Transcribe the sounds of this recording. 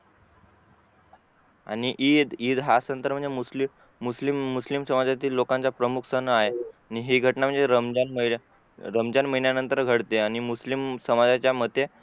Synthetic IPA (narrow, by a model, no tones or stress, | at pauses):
a̰ɽ̃iʔiːd̪iːd̪ɦasənt̪əɾm̤əɳd͡zeusli | muslimːuslimsəmad͡zat̪̬iːlːokaɲt͡ɕapɾəmukʰsənəaɦeaniɦiɡʱəʈnam̤əɳd͡zeɾəmd͡ʑanməi | ɾəmd͡ʑanməɦinjanənt̪əɾɡʱəɽt̪eaɽ̃imuslimsəmad͡zat͡ɕjamət̪ːe